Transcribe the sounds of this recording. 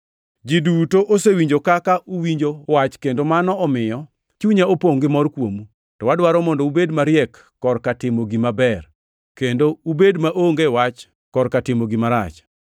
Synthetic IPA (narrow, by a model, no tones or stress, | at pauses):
d͡ʒidutoʔosewiɲd͡ʒokakaʔuwiɲd͡ʒowat͡ʃkendomanɔɔmɪjɔ | t͡ʃuɲaopoŋɡɪmɔrkwomu | tɔwadwaɾɔmɔndɔubedmaɾjɛkːɔrkatɪmoɡimabɛr | kendoubedmaʔoŋɡɛwat͡ʃ | kɔrkatɪmoɡimaɾa̰t͡ʃ